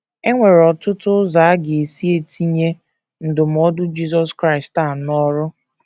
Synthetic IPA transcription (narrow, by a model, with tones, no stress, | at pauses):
e˦ŋʷe˨ɾɔ˨tʊ˦tʊ˦za˨˦ɡɪ˨e˨si˦e˦ti˦ɲe˦ | n̩˨dʊ˨m̩˨ɔ˦dʊ˦d͡ʒi˦sɔ˦skɾa˦ɪ˨sta˦˨nɔ˦ɾʊ˦